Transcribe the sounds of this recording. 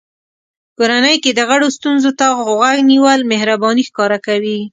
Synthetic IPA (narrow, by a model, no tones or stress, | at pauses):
koɾanəjked̪əɣaɽost̪unzot̪aɣaɡniwəlmehɾabɑnixkɑɾakawi